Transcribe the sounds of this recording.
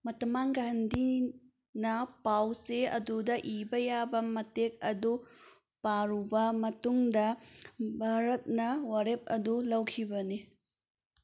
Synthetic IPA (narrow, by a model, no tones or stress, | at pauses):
mɐtɐmaŋɡandi | nɐpawseɐ̰dudɐʔibɐjabɐmɐtek̚ɐdu | paɾubɐmɐtuŋdɐbʱaɾɐt̚nɐwaɾep̚ɐ̰dulɐwkʰibɐni